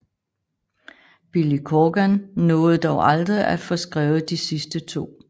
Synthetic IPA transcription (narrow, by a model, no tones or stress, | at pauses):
b̥ilikʰɒɡ̥ænnɔːð̩ˠd̥ɒʊʔɑ̈ld̥ʁiæfɒ̽sɡ̥ʁɛːʊð̩d̥isisd̥ət͡sʰo̝̰ː